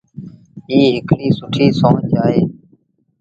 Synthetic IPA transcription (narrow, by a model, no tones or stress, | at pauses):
iːɦɪkliːsʊʈʰiːsõːd͡ʒaːɦeː